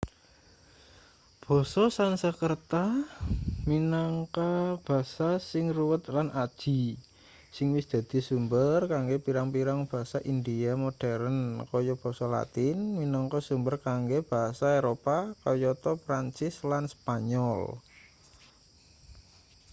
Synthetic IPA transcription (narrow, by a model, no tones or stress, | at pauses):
b̥ɔ̤sɔsansəkərt̪a | minaŋkab̥a̤sasɪŋruwət̪lanʔad̥ʒ̥i̤ | sɪŋwɪsd̪̥ä̤d̪̥i̤sumbərkaŋɡepiɾaŋpiɾaŋb̥a̤ɦasaʔindiamoɖ̥ɛɾənkɔjɔb̥ɔ̤sɔla̰t̪ɪnminɔŋkɔsumbərkaŋɡeb̥a̤ɦasaeɾopakɔjɔt̪ɔpɾant͡ʃɪslanspaɲɔl